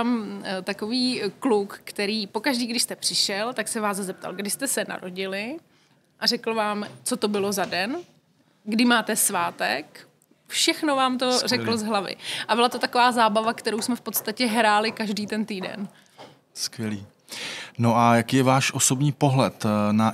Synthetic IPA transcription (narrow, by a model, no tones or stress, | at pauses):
amt̪ako̞viːklukːt̪ɛɾiːpo̞kaʒdiːɡdɪʃst̪ɛpr̥ɪʃɛlt̪aksɛvaːzzɛp̚t̪a̰lɡdɪst̪ɛsɛna̰ɾo̞ɟɪlɪ | ʔar̝ɛkl̩vaːmt͡sot̪o̞bɪlo̞zadɛn | ɡdɪmaːt̪ɛsvaːt̪ɛ̰k | fʃɛxnovaːmt̪o̞rɛkl̩zɦlavɪ̰ʔabɪlat̪o̞t̪ako̞vaːzaːbavakt̪ɛɾo̞wsmɛfpo̞t̪st̪acɛɦɾaːlɪkaʒdiːt̪ɛnt̪iːdɛ̰n | skvjɛliː | noʔajakiːjɛvaːʃʔosobɲiːpoɦlɛt̪na